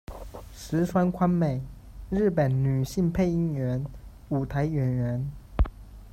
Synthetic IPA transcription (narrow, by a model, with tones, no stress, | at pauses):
ʂɻ̩˧˥swa˥nkʰwa˥nme˨˩ɪ | ɻ̩˥˩pə˨˩nny˨˩ɕi˥˧ŋpʰe˥˧ɪi˥ŋɥɛ˧˥n | u˨˩t̪ʰa˧˥ɪɥɛ˧˥nɥɛ˧˥n